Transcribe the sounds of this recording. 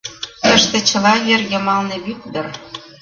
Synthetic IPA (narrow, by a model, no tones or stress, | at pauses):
t̪əʃt̪ĕt͡ɕə̆lɑjerjɤ̆mɑlnĕβyk̚d̪ɤr